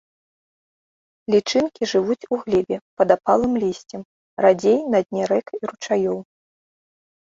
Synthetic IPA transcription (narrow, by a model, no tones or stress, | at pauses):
lʲit͡ʂɨnkʲiʐɨvut͡sʲuɣlʲɛbʲɛpɐd̪apalˠɨmlʲisʲt͡sʲɛm | rad͡zʲejnɐd̪ʲnʲɛɾɛkiɾut͡ʂajɔw